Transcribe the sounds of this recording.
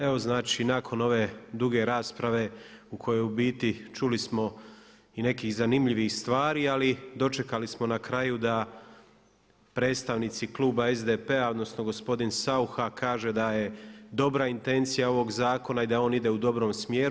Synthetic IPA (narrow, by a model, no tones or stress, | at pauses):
eʋo̞znaːt͡ʃinakʰo̞no̞ʋe̞d̪uɡe̞ɾaːspɾaʋe̞ukʰo̞jo̞jubiːt̪it͡ʃulismo̞ | ine̞kiːzanimʎiʋixst̪ʋaːɾiːalid̪o̞t͡ʃe̞kalismo̞nakɾajud̪a | pɾe̞ːt̪st̪aʋnit̪siklˠuːbaezd̪epe̞ao̞d̪no̞sno̞ɡo̞spo̞d̪insauxakʰaːʒe̞d̪aje̞d̪o̞bɾaint̪e̞nt̪sijao̞ʋo̞ɡzaːko̞naid̪ao̞ːnid̪e̞ud̪o̞bɾo̞ːmsmjeːɾu